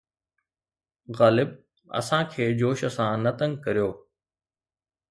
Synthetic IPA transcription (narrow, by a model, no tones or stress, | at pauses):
ɣaːlɪb̚ | ɐ̰sãkʰeːd͡ʑoːʃəsãnɐt̪ə̃ŋɡkɐɾijoː